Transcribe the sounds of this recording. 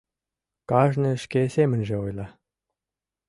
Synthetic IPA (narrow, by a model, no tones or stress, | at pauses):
kɑʒnɤ̆ʃkʲesemɘ̆nʲʒĕojlˠɑ